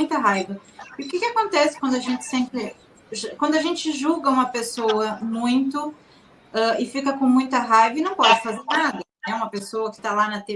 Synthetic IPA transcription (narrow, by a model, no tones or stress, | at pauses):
j̃t̪ɐɦajvɐɪʊkɪkɪakõnt̪ɛsɪkwɐ̃nd̪ʊaʒẽt͡ʃɪ̥sẽpɾɪ | ʒakwɐ̃nd̪ʊɐʒẽnt͡ʃɪʒuɡɐũmɐpesowɐmũj̃t̪ʊ | ɛɪfikɐkõmũj̃t̪ɐɦajvɐɪnɐ̃w̃pɔd͡ʒɪfazeɾnad̪ɐnɛũmɐpesoɐkɪ̥t̪alanɐt̪e